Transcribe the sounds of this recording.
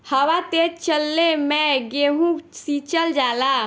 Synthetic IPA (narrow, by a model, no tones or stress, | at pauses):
həwat̪et͡ʃəlːemɛɡeɦũsit͡ʃəld͡ʒala